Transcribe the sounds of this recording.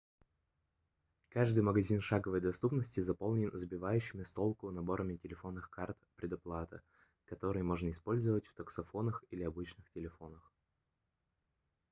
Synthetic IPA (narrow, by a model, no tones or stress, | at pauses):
kaʐd̪ɨjməɡɐzʲinʂaɡəvəjd̪ɐst̪upnəsʲtʲɪzɐpo̞lˠnʲɪnzəbʲɪvajʉɕːɪmʲɪst̪o̞lˠkʊnɐbo̞ɾəmʲɪtʲɪlʲɪfo̞nːɨxkart̪pɾʲɪd̪ɐplˠat̪ɨ̰ | kɐt̪o̞ɾɨjəmo̞ʐnəɪspo̞lʲzəvətʲft̪əksɐfo̞nəxilʲɪɐbɨt͡ɕnɨxtʲɪlʲɪfo̞nəx